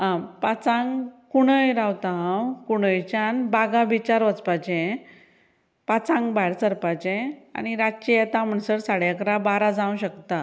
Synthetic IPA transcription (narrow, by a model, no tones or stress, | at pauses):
ãpat͡sãŋɡkuɽ̃əjɾawt̪aãwkuɽ̃əjt͡ɕãnbaɡabʱit͡ɕaɾʋət͡spat͡ɕɛ̃ | pat͡sãŋɡbaɽsəɾpat͡ɕẽa̰ɽ̃iɾat͡ɕijɛt̪ãm̤əɳsəɾsaɽjakɾabaɾad͡zãũɕəkt̪a